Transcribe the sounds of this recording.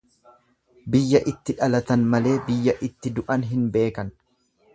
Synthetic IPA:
bɪjːɐʔɪt̪ːɪᶑɐlɐt̪ɐnmɐle̞ːbɪjːɐʔɪt̪ːɪd̪ʊʔɐnɦɪnbe̞ːkɐn

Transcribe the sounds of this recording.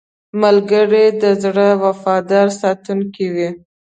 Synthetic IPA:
malɡəɽed̪əzɽəwafɑd̪ɑɾsɑt̪uŋkiwi

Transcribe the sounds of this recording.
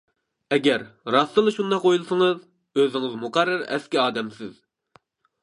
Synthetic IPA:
ɛɡʲɛɾɾɑst̪ɨlˠɨʃund̪ɑqːojulˠsəŋɨz | øzɪŋɪzmuqæɾːɑɾɛ̰skʲiɑːd̪ɛmsɪz̥

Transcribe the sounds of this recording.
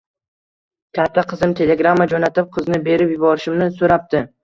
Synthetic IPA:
kʲʰat̪ʰːaqʰɨzɪmt̪ʰe̞le̞ɡɾamːad͡ʒonat̪ɪp̚qʰɨznɪbe̞ɾɪpjʊbɒɾɪʃɪmnɪsoɾap̚t̪ɪ

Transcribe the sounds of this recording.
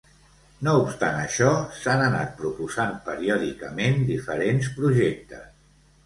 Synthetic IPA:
noupst̪a̰nəʃɔsanəna̰t̪̚pɾupuzampəɾiɔðikəmend̪ifəɾenspɾuʒek̚t̪ə̰s

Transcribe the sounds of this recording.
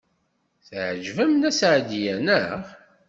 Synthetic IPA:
θʕʒvæmnæsʕd̪ijænəʁ

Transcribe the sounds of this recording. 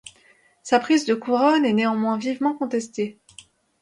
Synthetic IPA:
sapχizd̪əkuʁɔnɛneɑ̃mwɛ̃vivmɑ̃kɔ̃t̪ɛst̪e

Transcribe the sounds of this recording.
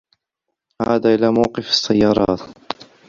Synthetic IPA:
ʕa̰ːd̪aːʔɪlaːmawqɪfɑ̥sːajːɑːɾˤɑ̰ːt̪

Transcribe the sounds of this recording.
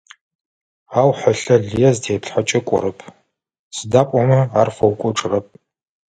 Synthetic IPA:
aːwħɐɬɐɮijɛztʰeːpɬħat͡ʃʼɐkʷʼɔ̰ɾɨpʰ | sɨdaːpʼɔmɐaːrfɐwkʷʼɔʈ͡ʂʼɨrɐp̚ʰʼ

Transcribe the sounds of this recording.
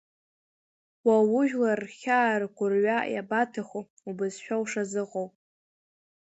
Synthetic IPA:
wawʊʒᶣlarχʲaːrkʷʰʼʊrɥaja̰batʰaχo | ubɨzʃᶣawʂazɨqʼowpʼ

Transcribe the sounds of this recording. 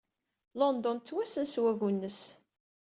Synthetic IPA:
lɔnd̪ɔnt͡s̪ːwæsənswæɣunːəs

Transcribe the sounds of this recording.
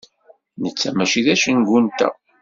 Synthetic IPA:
nət͡sːæmæʃiðæʃənɡunt̪æ̰

